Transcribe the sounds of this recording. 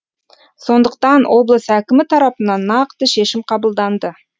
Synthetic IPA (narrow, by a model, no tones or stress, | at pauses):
so̞nd̪əq̚t̪ɑnwʔo̞blˠəsækʲɪmɪt̪ʰɑɾɑpənɑnːɑqt̪əʃe̞ʃɪmqʰɑbəlˠd̪ɑnd̪ə